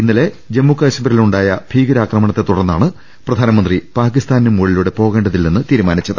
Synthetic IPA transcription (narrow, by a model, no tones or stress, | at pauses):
inːile̞ | d͡ʑe̞mːukːaːɕɐmbɐɾiluɳɖaːjɐb̥ʱiːɡɐɾaːkrɐmɐɳɐt̪ːe̞t̪uɽɐrnːaːɳɨ | prɐd̪ʱaːnɐmɐnd̪ripaːkist̪aːnnumːuɭiluɽe̞po̞ːɣe̞ːɳɖɐðilːenːɨt̪iːɾumaːnit͡ɕːɐðɨ